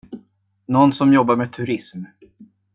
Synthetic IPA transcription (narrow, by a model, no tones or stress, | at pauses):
nɔnːsɔmjɔbːaɾmeːt̪ʰɵɾɪsm